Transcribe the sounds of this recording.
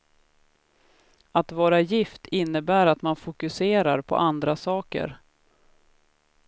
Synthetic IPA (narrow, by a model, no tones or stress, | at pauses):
at̪vɑːɾajɪft̪ʰɪnːəbæːɾat̪manfʊkɵseːɾaɾpʰɔ̰ʔand̪ɾasɑːkə̰ɾ